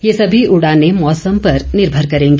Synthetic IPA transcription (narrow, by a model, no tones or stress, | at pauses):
jesɐbʱiʊɽãnemɔːsəmpɐɾnɪɾbʱəɾkɐɾẽːŋɡe